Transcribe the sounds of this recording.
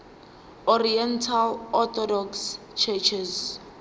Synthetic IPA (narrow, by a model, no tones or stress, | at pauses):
ɔɾiɛntʰalɔt̪ʰɔdɔks | t͡ʃʰɛt͡ʃʰɛz